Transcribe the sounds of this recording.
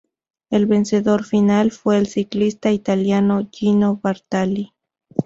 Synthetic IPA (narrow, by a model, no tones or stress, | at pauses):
elβe̞nse̞ðo̞ɾfinalfwe̞ːlsiklist̪ait̪aljanoʝinoβaɾt̪ali